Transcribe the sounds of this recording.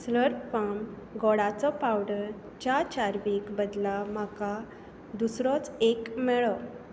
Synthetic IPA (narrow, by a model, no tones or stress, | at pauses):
sləɾpfam | ɡɔɽat͡sɔpawɖəɾ | t͡ɕat͡ɕaɾʋikbəd̪lam̤aka | d̪usɾɔt͡sekmɛɭɔ